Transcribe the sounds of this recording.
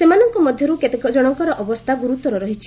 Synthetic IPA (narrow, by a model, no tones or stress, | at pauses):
semanɔŋkɔmɔd̪ʱjɔɾuket̪ekɔd͡ʒɔɽ̃ɔŋkɔɾɔʔɔbɔst̪ʰaɡuɾut̪ɔɾɔɾɔɦit͡ʃʰi̥